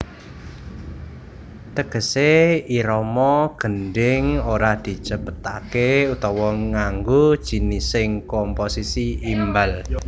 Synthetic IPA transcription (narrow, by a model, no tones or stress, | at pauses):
t̪əɡ̥ə̤seiɾɔmɔɡ̥ə̤nɖɪŋoɾad̪̥i̤̥t͡ʃəpət̪akeut̪ɔwɔŋaŋɡod̥ʒ̥i̤nisɪŋkɔmposisiimbal